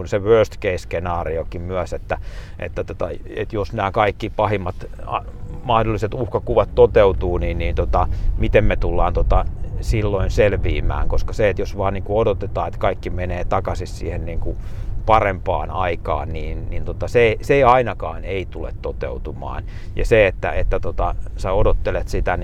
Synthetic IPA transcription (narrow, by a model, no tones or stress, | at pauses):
unseʋøːst̪keiskenɑːriokimmyæset̪ːæ | ḛt̪ːæt̪ot̪ɑ̰ḛt̪josnæːkɑikːipɑhimːɑt̪ɑ̰ | mɑhdolːiset̪uhkɑkuʋɑt̪t̪ot̪eut̪uːniːnniːnt̪ot̪ɑmit̪emmet̪ulːɑːnt̪ot̪ɑsilːoinselʋiːmæ̰ːŋkoskɑseet̪josʋɑːnniːŋkuodot̪et̪ɑːet̪kɑikːimeneːt̪ɑkɑsissḭːhenniːŋkupɑrempɑ̰ːnɑikɑ̰ːnniːnnint̪ot̪ɑseseiɑinɑkɑːneit̪ulḛt̪t̪ot̪ḛut̪umɑ̰ːn | jɑ̰seet̪ːæ̰et̪ːæt̪ot̪ɑseodot̪ːelet̪sit̪æn